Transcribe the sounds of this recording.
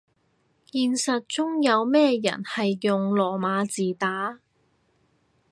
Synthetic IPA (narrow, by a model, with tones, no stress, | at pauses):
jiː˧nsɐ˨t̚t͡sʊ˥ŋjɐ˨˧wmɛː˥jɐ̰˨˩nhɐ˨jːʊ˨ŋlɔː˨˩maː˨˧t͡siː˨t̪aː˨˥